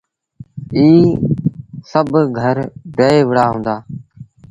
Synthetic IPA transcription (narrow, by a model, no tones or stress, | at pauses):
iː | səbʱɡʱəɾɖeːeːʋəɽaːɦũːnd̪aː